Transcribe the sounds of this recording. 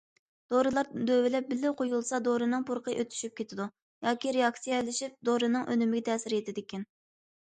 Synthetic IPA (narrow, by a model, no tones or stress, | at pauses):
d̪̥oɾɨlˠɑɾd̪øvɪlɛp̚bɪlːɪqʰojulˠsɑd̪oɾɨnɨŋpuɾqʰəʔøt̪ʰy̥ʃyp̚kʲʰet̪ʰɪd̪u | jɑːkʲiɾeɑksijɛlɪʃip̚d̪oɾɨnɨŋʔønymɪɡʲɛt̪ʰɛːsɪɾjet̪ɪd̪ɪkʲɛn